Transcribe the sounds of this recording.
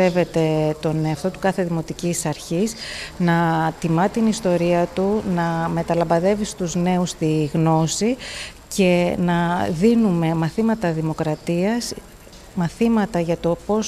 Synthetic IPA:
e̞ve̞t̪e̞t̪o̞neɐft̪o̞t̪u̥kɐθeðimo̞t̪icisɐɾçisnɐt̪imɐt̪inist̪o̞ɾiɐt̪unɐme̞t̪ɐlɐmbɐðe̞vist̪uzne̞ust̪iɣno̞si | ce̞nɐðinume̞mɐθimɐt̪ɐðimo̞kɾɐt̪iɐs | mɐθimɐt̪ɐʝɐt̪o̞po̞s

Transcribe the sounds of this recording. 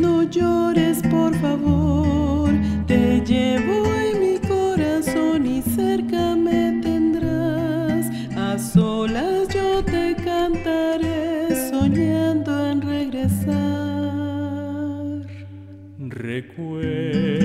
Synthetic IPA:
noʝoɾespo̞ɾfaβoɾt̪e̞ʝeβoemikoɾaso̞niseɾkamet̪end̪ɾas | asolasd͡ʒot̪e̞kant̪aɾesoɲand̪oenreɣɾe̞sa | ɾ | rḛkwe

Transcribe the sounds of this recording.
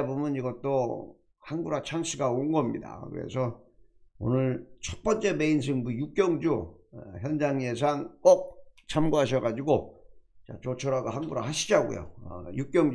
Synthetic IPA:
bomʌniɡʌt͈o | hanɡuɾat͡ɕʰaŋɕʰiɡaonɡʌmɲḭda̰kɯ̰ɾḛsʰʌ | o̰nɯɭt͡ɕʰʌt̚p͈ʌnt͡ɕ͈e̞me̞ins̬ʰɯŋbujuk͈̚jʌŋd͡ʑuçjʌnd͡ʑaŋjes̬ʰaŋk͈ok̚t͡ɕʰamɡuɦaɕʰʌɡad͡ʑiɡot͡ɕa̰t͡ɕot͡ɕʰʌɾaɡoɦanɡuɾa̰haɕʰid͡ʑaɡṵjo̰ʌ̰juk͈jʌŋd͡ʑ

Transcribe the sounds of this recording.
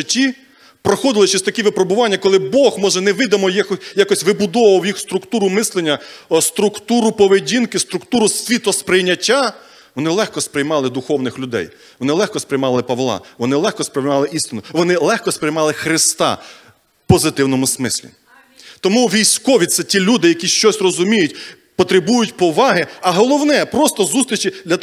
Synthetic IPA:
ʒɪtʲːi | pɾɔxɔd̪ɪlˠɪt͡ʃɛsʲt̪ɐkʲiʋɪpɾɔbʊʋɑnʲːɐkɔlˠɪbɔxmɔʒɛnɛʋɪd̪ɐmɔjxjakɔsʲʋɪbʊd̪ɔʋɐwjixst̪ɾʊkt̪uɾʊmɪslˠenʲːɐst̪ɾʊkt̪uɾʊpɔʋedʲinkɪst̪ɾʊkt̪uɾʊsʲʋʲit̪ɔspɾɪjnʲɐtʲːa | ʋɔnɪlˠɛxkɔspɾɪjmɑlˠɪd̪ʊxɔwnɪxlʲʊd̪ɛ̰j | ʋɔnɪlˠɛxkɔspɾɪjmɑlˠɪpɐʋlˠɑ̰ʋɔnɪlˠɛxkɔspɾɪjmɑlˠɪʔist̪ɪnʊʋɔnɪlˠɛxkɔspɾɪjmɑlˠɪxɾɪst̪ɑ̰ | pɔzɪt̪ɪwnɔmʊsmɪsʲlʲḭ | t̪ɔmuʋʲijsʲkɔʋʲit̪sɛtʲilʲud̪ɪjɐkʲiʃt͡ʃɔsʲrɔzʊmʲijʊtʲ | pɔt̪ɾebujʊtʲpɔʋɑɦɪɐɦɔlˠɔwnɛpɾɔst̪ɔzust̪ɾʲit͡ʃid̪lʲɐ

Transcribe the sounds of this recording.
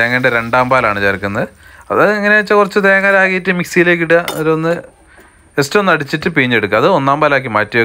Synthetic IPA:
eːŋːɐɳɖeɾe̞ɳɖaːmbaːlaːɳɨt͡ɕeːɾkːunːɐðɨɐðɐiŋːɐneʋɐt͡ɕːɐkurɐt͡ɕːɨt̪eːŋːɐlaːɣijitːɨmiksijile̞ːk̬ːiɽuɣɐoɾuonːɨ | estːɐmonːɐɽit͡ɕːitːɨpiɲːe̞ɽukːɐðɨo̞nːaːmbaːlaːk̬ːimaːtːɐjo

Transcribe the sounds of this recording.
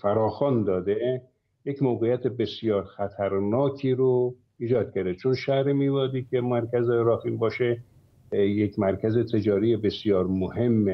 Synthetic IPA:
fæɾɒːxɒːnd̪ɒːd̪e | jekmoːɣejæt̪ʰebe̞sjɒːɾxæt̪ʰæɾnɒːkʰiːɾo | iːd͡ʒɒːd̪̥̚kʰʲæɾd̪et͡ʃʰonʃæhɾemiːvɒːd̪iːkʰʲemæɾkʰʲæzeɾɒːfimbɒːʃe | jekʰmæɾkʰʲæzet̪ʰe̞d͡ʒɒːɾijebe̞sijɒːɾmohe̞mːe

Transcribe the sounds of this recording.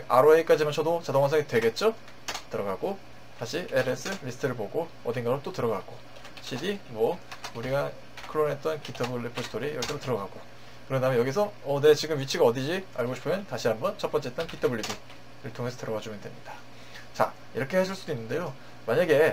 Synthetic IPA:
a̰ɾoeik͈ad͡ʑimant͡ɕʰʌdot͡ɕadoŋasʰʌŋitwe̞ɡe̞t̚t͡ɕ͈o | tɯɾʌɡaɡo | taɕʰiʔeɾes͈ʰɯɾisʰtʰɯɾɯɭpoɡo | ʌdinɡaɾot͈otɯɾʌɡaɡo | ɕʰidimwʌuɾiɡa | kʰɯɾonɦet͈̚ʌnkitʰʌbɯɭːipʰosʰɯ̥tʰoɾijʌɭk͈ʰedotɯɾʌɡaɡ̥o | kɯɾʌndamejʌɡis̬ʰʌʌne̞t͡ɕiɡɯmɥit͡ɕʰiɡaʌdid͡ʑiaɭɡoɕʰi̥pʰɯmjʌntaɕʰiɦambʌnt͡ɕʰʌp͈ʌnt͡ɕet͈ʌnkitʰʌbuɭːidi | ɾɯɭtʰoŋe̞sʰʌtɯɾʌɡad͡ʑumɯndwe̞mɲid̥ḁ | t͡ɕa̰ | iɾʌkʰe̞haɕʰiɭs͈udoinːɯnde̞jo | maɲaɡe̞

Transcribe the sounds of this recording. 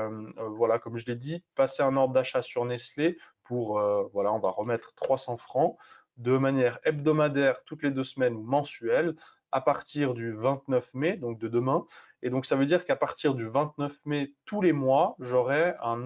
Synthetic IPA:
mvwalakɔmʒəled̪ipaseɛ̃nɔʁd̪ʁd̪aʃasyʁnɛslepuʁøvwalaɔ̃va̰ʁəmɛt̪χt̪χwasɑ̃fχɑ̃ | d̪əmanjɛʁɛbd̪ɔmad̪ɛʁt̪ut̪led̪øsmɛnumɑ̃syɛl | a̰paʁt̪iʁd̪yvɛ̃t̪nœfmed̪ɔ̃k̚d̪əd̪əmɛ̃ | ed̪ɔ̃ksavød̪iʁkapaʁt̪iʁd̪yvɛ̃t̪nœfmet̪ulemwaʒɔʁɛɛ̃

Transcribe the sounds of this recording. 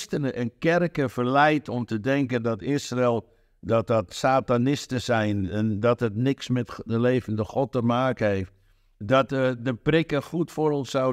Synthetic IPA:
stənəʔɛnkɛrkəfərlɛjtʰɔmtədɛŋkəndɔtɪsrɪlˠ | dɔt̚ɔtsaːtanɪstəsɛjnɛndɔtətnɪksmɛtəleːvəndəxɔtəmaːkənheːft | dɔtdəprɪkəxutfoɾɔnsaw

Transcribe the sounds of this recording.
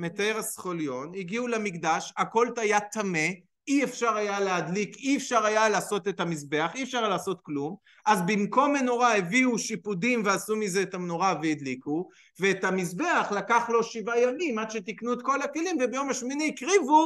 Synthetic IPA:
met̪aeʁasχo̞ljo̞niɡiulamikd̪aʃako̞lt̪ajat̪ame̞ | iefʃaʁajalead̪likiefʃaʁajalaːso̞tetamisbe̞aχiefʃaʁlaːso̞t̪klum | ʔazbimko̞meno̞ʁaeviuʃipudimveasumize̞ːtamnoʁaveid̪liku | veːthamisbe̞aχlakaχlo̞ʃivajamimad̪ʃet̪iknuet̪ko̞lakelimvebejo̞maʃminiːkʁivu

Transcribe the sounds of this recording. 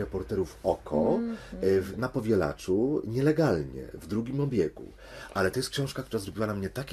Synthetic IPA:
ɛpɔɾt̪ɛɾufɔkʰɔ | vnapɔvʲjɛla̰t͡ʂuɲɛlɛɡalɲɛ̰vd̪ɾuɡʲimɔbʲjɛkṵ | ʔalɛt̪ɔjɛst̪kɕɔ̃w̃ʂkakt̪uɾazɾɔbʲiwanamɲɛt̪akʲ

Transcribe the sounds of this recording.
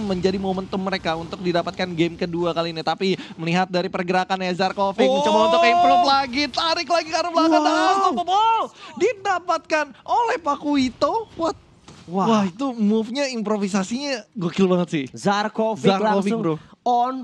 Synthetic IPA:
məɲd͡ʒadimomənt̪əmːəɾekaunt̪ʊk̚didapat̪̚kanɡɛmkəduakaliːnit̪apiməliɦat̪̚daɾipərɡəɾakanjazarkofɪk̚mət͡ʃamaunt̪ʊkiplulaɡit̪aɾɪklaɡikaɾublakat̪at̪oopadidapat̪̚kanolɛhpakuit̪okuat̪̚ | wawait̪umufɲaimpɾofisasiɲaɡokɪlbaŋət̪sɪhzarkofzarkofɪdʊɔn

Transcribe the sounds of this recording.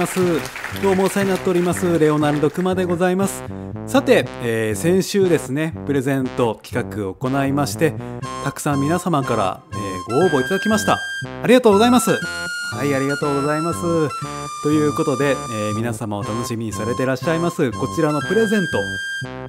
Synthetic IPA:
asɨ | d̪̥o̞ːmoːsainat̪ːe̞oɾʲimasɨɾe̞o̞naɾɯ̟d̪o̞kɯ̟mad̪e̞ɡo̞zaimasɨ̥ | sat̪e̞ːsẽ̞ɰ̃ɕɨːd̪e̞sɨne̞pɯ̟ɾe̞zẽ̞nt̪o̞kʲi̥kakɯ̟o̞ko̞naimaɕi̥t̪e̞t̪akɯ̟̥sãmːʲinasamakaɾa̰ḛːɡo̞oːbo̞it̪ad̪akʲimaɕi̥t̪a̰aɾʲiɡat̪oːɡo̞zaimasɨhaiaɾʲiɡat̪o̞ːɡo̞zaimasɨ | t̪o̞jɯ̟ːko̞t̪o̞d̪e̞ː | mʲinasamao̞t̪ano̞ɕimʲiɲ̟isaɾe̞t̪e̞ɾaɕːaimasɨko̞t͡ɕiɾano̞pɯ̟ɾe̞zẽ̞nt̪o̞

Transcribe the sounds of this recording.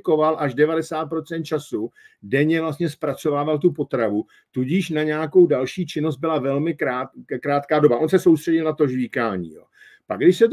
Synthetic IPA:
ko̞valʔaʒdɛvadɛsaːt̪̚pɾo̞tt͡sɛnt̪̚t͡ʃasudɛɲɛvlast̪ɲɛspɾat͡so̞vaːvalt̪upo̞t̪ɾavu | t̪uɟiʃnaɲaːko̞wdalʃiːt͡ʃɪno̞szt̪̚bɪlavɛlmɪkɾaːkɾaːt̪kaːdobaʔonsɛsowst̪r̥ɛɟɪlnat̪o̞ʒviːkaːɲḭːjo̰ː | paɡdɪʃsɛt̪

